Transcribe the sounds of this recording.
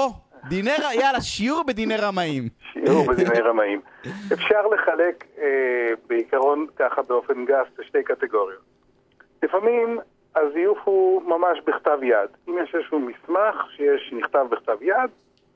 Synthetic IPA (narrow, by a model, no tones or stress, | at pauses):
o | d̪ineʁajalaʃiuʁbed̪inejʁamaimʃiuʁbed̪inejʁamaim | efʃaʁle̞χale̞kebeikaʁo̞nkaχabeo̞fe̞nɡafleʃtejkat̪eɡo̞ʁjo̞t̪̚ | lifamim | azijufhumamaʃbiχt̪avjad̪imjeʃezʃumismaχʃejeʃniχt̪avbiχt̪avjad̪